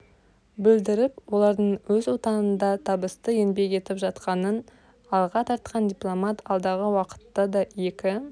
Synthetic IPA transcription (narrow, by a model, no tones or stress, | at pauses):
bɪld̪ɪɾɪpwo̞lˠɑɾd̪əɴwɵzwo̞t̪ɑnənd̪ɑt̪ʰɑbəst̪əje̞nbe̞ke̞t̪ɪpʒɑt̪qɑnən | ɑlˠʁɑt̪ʰɑɾt̪qʰɑnd̪ʲijplˠo̞mat̪ɑlˠd̪ɑʁəwɑqə̥t̪ːɑd̪ɑje̞kʲɪ